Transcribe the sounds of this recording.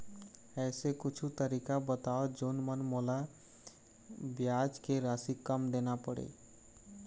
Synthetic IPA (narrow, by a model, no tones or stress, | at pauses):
ɛːsekʊt͡ʃʰut̪əɾikabət̪aod͡ʒonmənmola | bjad͡ʒkeɾasikəmd̪enapəɽḛ